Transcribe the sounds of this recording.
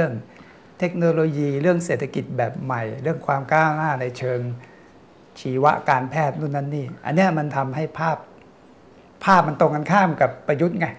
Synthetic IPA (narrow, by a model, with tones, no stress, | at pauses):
ɯ˥˩əŋ | t̪ʰe˦˥k̚noː˧loː˧jiː˧ɾɯ˥˩əŋseː˨˩t̪ʰa˧ki˨˩t̪̚bɛː˨˩p̚ma˨˩jɾɯ˥˩əŋkʰwaː˧mkaː˥˩wnaː˥˩na˧jt͡ɕʰɤː˧ŋ | t͡ɕʰiː˨˦wa̰˦˥ʔkaː˧npʰɛː˥˩t̪̚nu˥˩nːa˦˥nːiː˥˩ʔa̰˧nːi˦˥ɐma˧nt̪ʰa˧mɦa˥˩jpʰaː˥˩p̚ | pʰːaː˥˩p̚ma˧nt̪o˧ŋka˧nkʰaː˥˩mka˨˩pːɾa˧ju˦˥t̪̚ŋa˧˥